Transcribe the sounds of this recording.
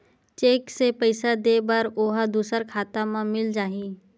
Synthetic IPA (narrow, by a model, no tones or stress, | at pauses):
t͡ʃeːksepəɪsad̪eːbəɾoːɦad̪uːsəɾkʰaːt̪amãmɪld͡ʒaːɦĩː